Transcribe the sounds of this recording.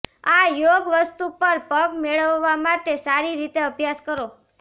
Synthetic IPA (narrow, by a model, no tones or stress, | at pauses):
ajoɡʋəst̪upəɾpəɡmeɭəʋːamaʈesaɾiɾit̪eəbjaskəɾo